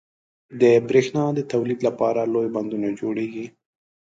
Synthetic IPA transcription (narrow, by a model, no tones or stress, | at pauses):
d̪əbɾexnɑd̪ət̪awlid̪lapɑɾalojband̪unad͡ʒoɽeɡi